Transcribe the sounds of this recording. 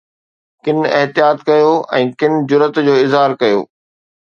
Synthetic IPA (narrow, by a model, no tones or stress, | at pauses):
kɪnɪɦt̪ijaːt̪kɐjoɛ̃ːkɪnɪ̆d͡ʑʊɾət̪d͡ʑoːɪzɦaːɾkɐjo̰ː